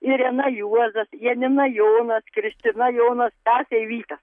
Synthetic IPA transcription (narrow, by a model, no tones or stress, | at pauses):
ɪɾʲɛnɐjuɔzɐsjɛnʲɪnɐjoːnɐskɾʲɪsʲt̪ʲɪnɐjoːnɐst̪æːsʲɛɪʋʲiːt̪ɐ